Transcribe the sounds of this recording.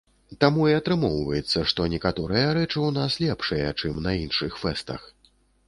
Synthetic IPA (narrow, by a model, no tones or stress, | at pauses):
t̪amuiat̪ɾɨmɔwvɐjɛt̪sːɐʂt̪ɔnʲɛkat̪ɔɾɨjɐɾɛt͡ʂɨwnaslʲɛpʂɨjɛt͡ʂɨmnɐinʂɨxfɛst̪ɐ̰x